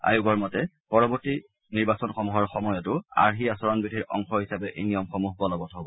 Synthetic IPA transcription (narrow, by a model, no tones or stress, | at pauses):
a̰jʊɡɔɹmɔtɛ | pɔɹɔbɔɹti | niɹbasɔnxɔmuɦɔɹxɔmɔjɔtʊa̰ɹɦiasɔɹɔnbidʱiɹʔɔ̰ŋxɔɦisapɛʔenijɔmxɔmuɦbɔlɔbɔtɦɔbɔ